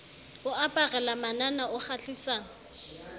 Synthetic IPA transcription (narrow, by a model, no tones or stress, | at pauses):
ʊapʼarɛlamananaʊχaɬisaːŋ